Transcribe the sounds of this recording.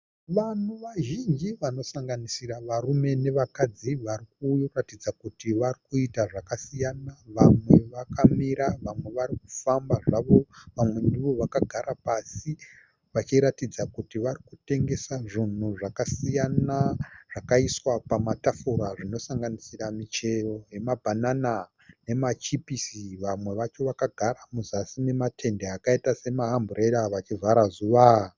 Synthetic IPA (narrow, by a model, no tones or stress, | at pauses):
ʋan̤eʋaʒind͡ʒiʋano̞saŋɡanisiraʋarume̞ne̞ʋakad͡ziʋarikuratid͡zakutiʋarikuitaʐakasijanaʋamwe̞ʋakamiɾaʋamwe̞ʋaɾik̚u̥fambaʐaʋo̞ʋamwe̞ndiʋoʋakaɡʱaɾapasi | ʋat͡ʃiɾatid͡zakutiʋarikute̞ŋɡe̞saʐin̤uʐakasijanaʐ̥akaiswapamatafuɾaʐino̞saŋɡanisiramit͡ʃe̞ro̞je̞mabʱanana | ne̞mat͡ʃipisiʋamwe̞ʋat͡ʃo̞ʋakaɡʱaɾamuzasine̞matʰe̞ndeakaitase̞maɦambureɾaʋat͡ʃivʱaɾazuʋa